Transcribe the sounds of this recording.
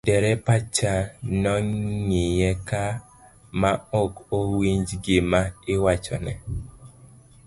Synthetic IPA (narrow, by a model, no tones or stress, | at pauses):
dɛɾɛpat͡ʃanɔŋŋijɛka | maokowiɲd͡ʒɡemaɪwat͡ʃɔ̰nɛ